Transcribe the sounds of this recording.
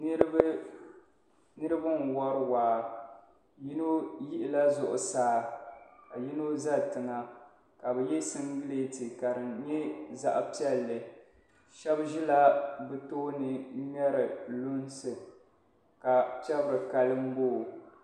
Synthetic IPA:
nɨ˦ɾ | nɨ˦ɾɨ˦bɨ˦nwɔ˦ɾɨ˦waː˨ | mi˦no˦ji˦ʔɪ˦la˦zʊ˨ʔʊ̰˨saː˦ka˨ji˦no˦za˦tɨ˨ŋa˦ | ka˨bɛ˨jɛ˦sɨ˦ŋɡɨ˦le˦ti˨ka˨ɾɨ˨nɲɛ˦za̰˨ʔa˨pi˦ɛ˦lːɨ˨ | ʃɛ˦bʒi˦la˦bɨ˦toː˦nɨ˦ɲɛ˦ɾɨ˨lʊ˦n˦sɨ˨ | ka˨pɛ˦bɾɨ˨ka˦lɨ˦m̩˦boː˦˨

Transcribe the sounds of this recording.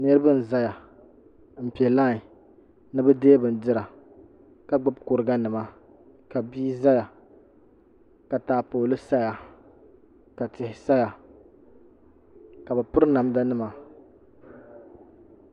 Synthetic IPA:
nɛ˦ɾɨ˦bɨ˦n̩˨za˦ja˨ | m̩˨pi˨ɛ˨laː˦˨ | nɨ˦bɛ˦deː˦bɨ˨n˨dɨ˦ɾa˨ | ka˨ɡ͡bʊ˦bko˨ɾɨ˨ɡa˦nɨ˨ma˦ | ka˨biː˦za˦ja˨ | ka˨taː˨poː˨lɨ˦sa˦ja˨ | ka˨tɪ˨hɪ˨sa˦ja˨ | ka˨bɛ˨pʊ˦ɾɨ˦na˨m˦da˦nɨ˦ma˨

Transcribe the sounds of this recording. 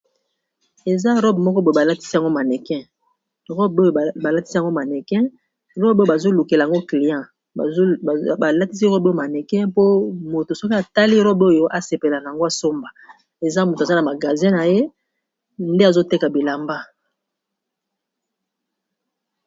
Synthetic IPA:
e˨za˦ʁɔ˦bmɔ˦kɔ˦bo˦˨o˨ba˨la˦ti˦si˦a˨ŋɡo˦ma˨nɛ˨kɛ̃˦ | ʁɔ˦bo˦jo˨ba˨la˦ti˦si˦a˨ŋɡo˦ma˨nɛ˨kɛ̃˦ | ʁɔ˦bbo˦˨ba˨zo˦lu˨ke˨la˨a˨ŋɡo˦kli˨jã˦˨˦ | ba˨la˦ti˦si˦ʁɔ˦bo˦o˦˨ma˨nɛ˨kɛ̃˦po˦mo˨to˨so˦ki˦a˨ta˦li˦ʁɔ˦bo˦jo˨ʔa˨se˨pe˨la˨na˨ja˨ŋɡo˦a˨so˦mba˨ | e˨za˦mo˨tza˦na˨ma˨ɡa˨zɛ̃˦na˨je˦ | nde˦a˨zo˦te˦ka˨bi˨la˨mba˦

